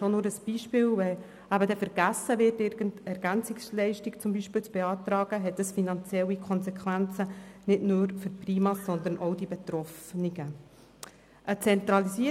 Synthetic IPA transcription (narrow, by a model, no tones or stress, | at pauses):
ʃonʊːɾəsb̥iːʃpɪːlvɛ | æbədɛfəɾɡ̥æsəvɪrtɪɾɡ̥əntɛɾɡ̥ænt͡sɪkslɛɪʃtɪkt͡sʊmbiːʃpɪːlt͡sb̥eɑːt̪ɾɑːɡ̥əɦɛtəsfinɑnt͡sjɛlːikʰɔnsɛkʰʋænt͡sənɪdnʊːɾføɾpriːmɑsɔnd̪ənʔoʊdibɛt̪ɾɔfniɡ̥ə | ʔət͡sɛnt̪ɾɑlisiːə